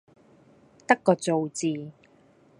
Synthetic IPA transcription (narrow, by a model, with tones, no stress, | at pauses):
t̪ɐ˥kːɔː˧t͡so˨wt͡siː˨˧